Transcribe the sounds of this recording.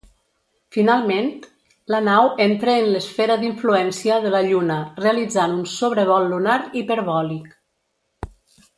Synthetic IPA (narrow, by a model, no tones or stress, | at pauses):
finalˠment̪ | lənawent̪ɾəːnləsfɛɾəðiɱfluɛnsiəðələʎunəreəlid͡zanunsoβɾəβ̞ɔlːunaɾipəɾβɔlik